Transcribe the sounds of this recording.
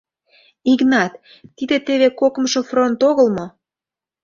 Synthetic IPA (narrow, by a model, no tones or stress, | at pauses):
iknɑt̪ː | id̪et̪eβekokəmʃofront̪oɣəlmo